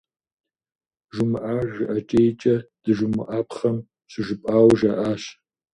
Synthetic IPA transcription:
ʒumɨʔaːʒɨʔɐt͡ʃʼejt͡ʃʼɐd̥ɨʒʊmɨʔaːpʰχɐm | ɕɨʒɨpʼaːwʒɐʔaːɕ

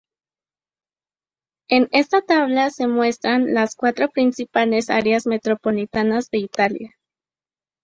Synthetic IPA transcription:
e̞ne̞st̪at̪aβ̞lase̞mwe̞st̪ɾanlaskwat̪ɾo̞pɾinsipale̞sa̰ɾeazme̞t̪ɾo̞po̞lit̪anazðe̞it̪alja

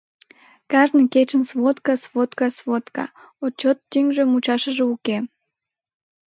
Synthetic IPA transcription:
kɑʒnɨjket͡ɕənsvot̪kɑsvot̪kɑsvot̪kɑ̰ | ot͡ɕot̪ːyŋʒemut͡ɕɑʃəʒeuke

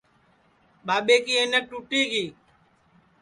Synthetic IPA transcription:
ɓaːɓeːkiːeːnek̚ʈuːʈiːkiː

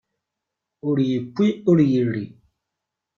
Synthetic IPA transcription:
uɾjikiuɾjiɾḭ

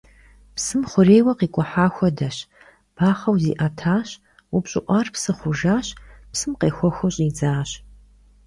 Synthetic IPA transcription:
psɨmχʷʊreːjwɐqiːkʷʼɔħaːxʷɔdɐɕ | b̥aːχɐwzḭːʔɐtʰaːɕ | upɕʼɪ̰ʔʷɑːrpsɨχʷʊʒaːɕpsɨmqeːxʷɔxʷɔɕʼiːd͡zaːɕ

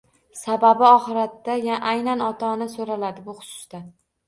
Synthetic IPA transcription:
sababɪɒχɨɾat̪ːajaʔajnanɒt̪ʰɒnasoɾalad̪ɪbʊχʊ̥sʊ̥sd̪a

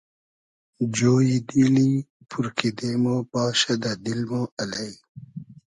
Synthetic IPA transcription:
d͡ʑoːjid̪iːli | pʰuɾkid̪emobɑːɕɐd̪ad̪ilmoɐlɐj

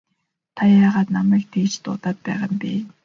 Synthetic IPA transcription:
t̪ʰajaːʁaːt̪namæːk̚t̪ʰeːt͡ɕt̪ʊ̰t̪aːt̪̚pæːʁə̆mpʲiː

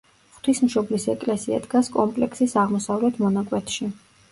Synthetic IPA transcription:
χt̪ʰismʃɔblisɛkʼlɛsia̰d̪ɡaskʼɔmpʼlɛkʰsisaʁmɔsavlɛt̪ʰmɔnakʼwɛt̪ʰʃi

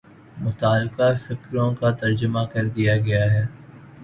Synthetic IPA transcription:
mʊt̪aːlqafɪkɾõkat̪ɐɾd͡ʒəmakɐɾd̪ijaɡɐjaɦɛː

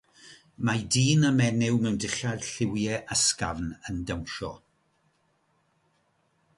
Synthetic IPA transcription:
madiːnəmɛnɪwmɛwndɪɬad̥ɬɪwjɛʔəska̰vnəndəwʃɔ̰

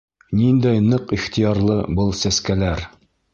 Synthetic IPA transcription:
nind̪æjnɤqiχt̪ijɑɾlˠɤbɤlˠsæskælæɾ

